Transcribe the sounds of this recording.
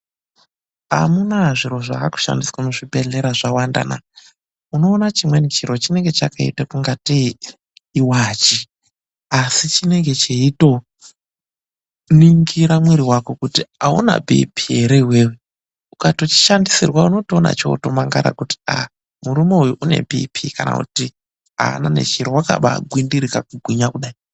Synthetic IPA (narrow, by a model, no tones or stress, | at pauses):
a̰munaʐiɾo̞ʐa̰aku̥ʃa̰ndiswamuʐibʱe̞ɮe̞ɾaʐawanda̰na̰ | uno̞ːnat͡ʃimwe̞nit͡ʃiɾo̞t͡ʃine̞ŋɡe̞t͡ʃakaḭtakuŋɡatiː | wat͡ʃi | asit͡ʃine̞ŋɡe̞t͡ʃeito̞ | niŋɡiɾamweɾiwako̞kutiauna̰bʱḭpʰieɾewewe | ukato̞t͡ʃi̥ʃandisirwauno̞toona̰t͡ʃo̞̰to̞maŋɡaɾa̰kuti̥a̰ | muɾumo̞ujuʔune̞̰bʱḭpʰikana̰kṵti | a̰ːnane̞̰ʃiɾowaka̰ɓa̰ɡʱwindiɾikakuɡʱwiɲakuɗaːi